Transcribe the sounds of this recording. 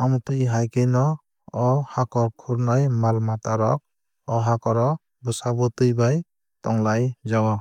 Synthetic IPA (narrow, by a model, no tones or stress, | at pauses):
amtɯjɦajkɯjnɔ | ɔhakɔɾkʰuɾnajmalmataɾɔk̚ | ɔɦakɔɾɔ | busabɔtɯjbaj | tɔŋlajzawa